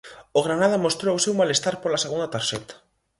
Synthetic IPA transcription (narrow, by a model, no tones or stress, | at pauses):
oɣ̞ɾanaðɐmost̪ɾoʊsewmalest̪aɾpolaseɣund̪at̪aɾʃɛt̪ḁ